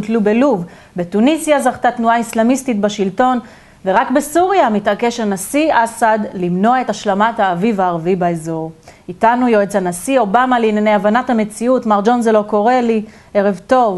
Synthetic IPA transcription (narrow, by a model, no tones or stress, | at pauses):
tlubeluv | betunisjazaχt̪atnuaislamistitbaʃilto̞n | ve̞ʁakbesuʁjamitake̞ʃanasiʔasadlimno̞ae̞taʃlamathaːvivaːʁavibaezo̞ʁitanujoet͡sanasio̞bamalinene̞javanathame̞t͡siutmaʁd͡ʒo̞nzelo̞ko̞ʁe̞li | eʁevto̞v